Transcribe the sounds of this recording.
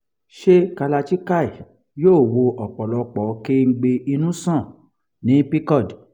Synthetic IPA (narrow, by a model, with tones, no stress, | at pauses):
ʃe˦ka˧la˧t͡ʃi˦ka˦˨i˨ | joː˦˨wo˧ʔɔ˨k͡pɔ˨lɔ˧k͡pɔ˨˦ke˦ŋ̩˦ɡ͡be˧i˧nũ˦sɔ̃˦˨ | nĩ˨˦pi˦kɔ˦˨d